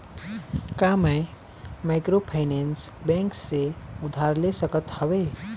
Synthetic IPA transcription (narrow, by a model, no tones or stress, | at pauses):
kaməj | majkɾopʰaɪnensbẽŋkseud̪ʱaɾlesəkət̪həwe